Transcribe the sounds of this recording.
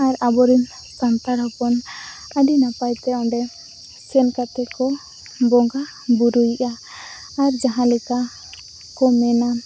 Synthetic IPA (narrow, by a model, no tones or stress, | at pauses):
aɾabɔɾim | sant̪aɾɔpɔn | əɖinapajt̪ɛɔɳɖɛ | sɛnkat̪ɛkɔ | bɔŋɡa | buɾujiʔaː | ɾd͡ʒaɦãlɛka | kɔmɛna